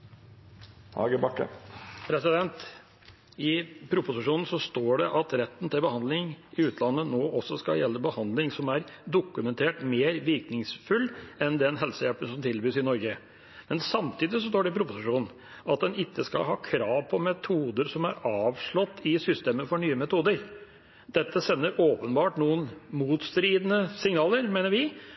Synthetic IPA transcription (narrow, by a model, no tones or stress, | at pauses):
hɑ̰ːɡəbɑkːə̰pʰɾɛsɪd̪ɛnt̪ | ɪpʰɾʊpʊsɪʂuːnn̩sɔst̪oːɖɛʔɑt̪ɾɛt̪ːn̩t̪ʰɪlbəhɑnd̪lɪŋɪʉːt̪ʰlɑnːənoːʔɔsːɔskɑ̰jɛlːəbəhɑnd̪lɪŋsɔmæɾd̪ʊkːʉmɛnt̪ʰeːʈmeːɾʋɪɾknɪŋsfʉlɛnd̪ɛnɦɛlsəjɛlpənsɔmt̪ʰɪlbyːsɪnɔɾɡə | mɛnsɑmt̪ʰiːd̪ɪsɔst̪oːɖɛpʰɾʊpʊsɪʂuːnn̩ | ɑt̪̚d̪ɛnɪkːəskɑ̰lɦɑːkʰɾɑːʋpʰɔmɛt̪ʰuːd̪əɾsɔmæɾɑːʋʂɭɔt̪ːɪsʏst̪eːməfɔɳyːəmɛt̪ʰuːd̪əɾ | d̪ɛt̪ːəsɛnːəɾoːpənbɑːʈnuːənmuːt̪st̪ɾiːd̪ənəsɪŋnɑːləɾmeːnəɾʋɪ